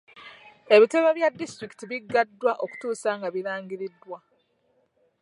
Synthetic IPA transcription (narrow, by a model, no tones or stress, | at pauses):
e̞βite̞βaβjadːistɾiki̥tiβiɡːadːwaʔo̞ku̥tuːsaːŋɡaβiɾaːɲɟiɾidːwa